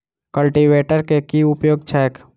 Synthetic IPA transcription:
kəlʈiʋeːʈəɾkekiʊpjoːɡt͡ʃʰɛk

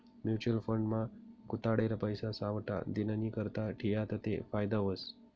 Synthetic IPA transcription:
mjut͡ɕuəlfəɳɖmãɡut̪aɽeɾapəjsasaʋʈa̰d̪inanikəɾt̪aʈʰijat̪ət̪ḛfajd̪aʋəs

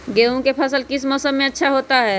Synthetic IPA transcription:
ɡeːõkepʰɐsəlkɪsmɔːsəmːẽɐtːʃʰaɦoːt̪aɦɛː

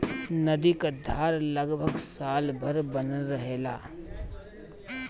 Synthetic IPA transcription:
nɐd̪ikad̪ʱaːɾləɡbʱəɡsaːlbʱəɾbənəɾəɦeːla̰ː

